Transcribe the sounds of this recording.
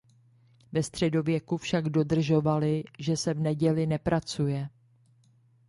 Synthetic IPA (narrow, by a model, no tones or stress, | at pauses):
vɛst̪r̝̥ɛdo̞vjɛkufʃaɡdo̞dr̩ʒo̞valɪʒɛsɛvnɛɟɛlɪnɛpɾat͡sujɛ